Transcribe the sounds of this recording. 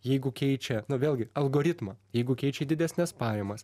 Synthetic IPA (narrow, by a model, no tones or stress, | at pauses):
jɛɪɡʊkʲɛɪt͡ʃʲɛnʊʋʲeːlˠʲɡʲɪɐlˠɡoːɾʲɪt̪mɐjɛɪɡʊkʲɛɪt͡ʃʲɛd̪ʲɪd̪ʲæsʲnʲɛspɑːjɛmɐs